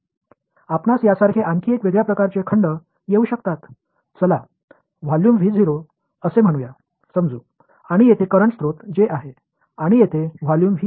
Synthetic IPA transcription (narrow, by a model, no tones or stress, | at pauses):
apnasjasaɾkʰeʔaŋkʰiekʋed̪japɾəkaɾt͡sekʰəɳɖə | jeuːɕəkt̪at̪ | t͡səla | ʋ̤aljuːmʋʱiːd͡zʱiɾo | əsem̤əɽ̃uja | səmd͡zuː | aɽ̃ijet̪ʰekəɾəɳst̪ɾot̪d͡ʑeʔaɦe | aɽ̃ijet̪ʰeʋ̤aljuːmʋi